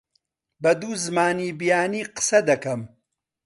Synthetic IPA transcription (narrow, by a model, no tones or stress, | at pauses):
bɐd̪uːzɨmaːniːbijaːniːqɨ̥sɐd̪ɐkɐm